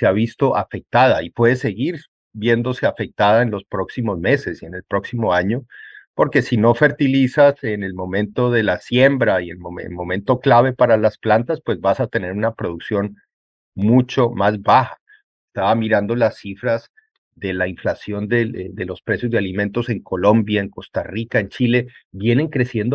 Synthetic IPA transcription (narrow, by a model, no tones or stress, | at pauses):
seaβist̪o̞ʔafe̞k̚t̪aðaipwe̞ðese̞ɣiɾ | bje̞nd̪o̞se̞afe̞k̚t̪aðae̞nlo̞spɾo̞ksimo̞zme̞se̞sie̞ne̞lpɾo̞ksimo̞aɲo̞po̞ɾke̞sino̞fe̞ɾt̪ilisase̞ne̞lmo̞mẽ̞nt̪o̞ðe̞lasje̞mbɾaie̞nmoḛmo̞mẽ̞nt̪o̞klaβ̞e̞paɾalasplant̪aspwe̞zβasat̪e̞ne̞ɾunapɾo̞ðuksjo̞n | mut͡ʃo̞mazbaxa | est̪aβamiɾand̪o̞lasːifɾaz | ðe̞laiɱflasjo̞nd̪eðe̞lo̞spɾe̞sjo̞zd̪ealimẽ̞nt̪o̞se̞ŋko̞lo̞mbjaeŋko̞st̪arikae̞nt͡ʃile̞bje̞ne̞ŋkɾe̞sje̞nd̪o